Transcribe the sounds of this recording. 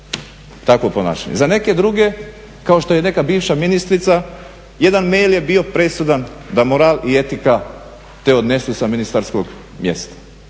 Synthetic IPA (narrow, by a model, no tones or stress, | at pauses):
t̪akopona̰ːʃa̰ɲezane̞ke̞d̪ɾuɡe̞ | kao̞ʃt̪o̞jene̞kabiːʋʃaminist̪ɾit̪sa | je̞d̪anmejljebio̞pɾe̞sud̪and̪amoɾaːlie̞t̪ika | t̪eod̪ne̞susaminist̪aɾskoɡ | mje̞̰st̪ḁ